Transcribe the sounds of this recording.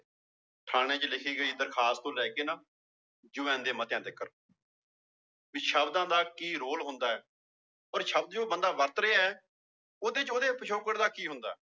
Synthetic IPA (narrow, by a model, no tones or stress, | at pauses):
ʈʰaːɽ̃eːt͡ʃəlɪkʰiːɡəiːd̪əɾkʰaːst̪õːlɛːkeːnaː | d͡ʒʊʋɛ̃ːnd̪eːmət̪jãːd̪ekːəɾ | ʋiːʃəbd̪ãːd̪aːkiːɾoːlɦʊnd̪aːɛː | ɔːɾʃəb̚d̪d͡ʒoːbənd̪aːʋəɾt̪ɾeaːɛː | oːd̪eːt͡ʃoːd̪eːpət͡ʃʰoːkəɽd̪aːkiːɦʊnd̪a̰ːɛː